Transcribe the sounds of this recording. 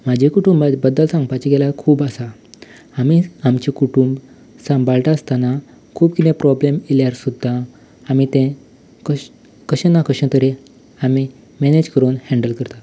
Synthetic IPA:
mad͡ʑʱekuʈumbabəd̪ːəlsãŋɡpat͡ɕeɡɛlakʰuːbasa | amiamt͡ɕikuʈumb | sãmbalʈ̪aəst̪ana | kʰuːbkit̪ẽpɾɔblemiljaɾsud̪ʱːaː | mit̪ɛ̃ | kə | kəɕənakəɕə̃t̪əɾe | ami | mɛned͡ʑkəɾuːnhɛ̃ɳɖəlkəɾt̪a

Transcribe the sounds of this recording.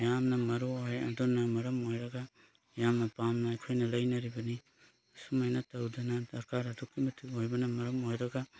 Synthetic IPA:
jamnɐmɐɾuojɐ̰dunɐmɐɾɐmojɾɐɡa | jamnɐpamnaːjkʰojnɐlɐjnɐɾibɐni | sumajnɐtɐwdɐnɐdɐɾkaɾɐdukːimɐtʰiojbɐnɐmɐɾɐmojɾɐɡɐ

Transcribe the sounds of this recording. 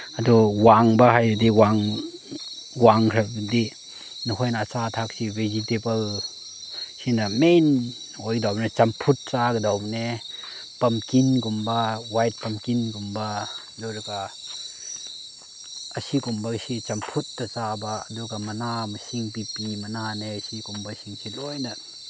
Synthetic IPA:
ɐduwaŋbɐɦajɾudiwaŋ | waŋkʰɾɐbdi | nuɦojnaːt͡ʃatʰak̚sibezitebɐl | sinɐmen | ojdawbnet͡ʃɐmpʰut̚t͡ʃaɡɐdawbne | pɐmkinkumbɐwajt̚pɐmkinkumba | duɾɐka | ɐsikumbɐksit͡ʃɐmpʰut̚ːɐt͡ʃabaːdukamɐnamɐsiŋpipimɐnanesikumbɐsiŋsilɔjnɐ

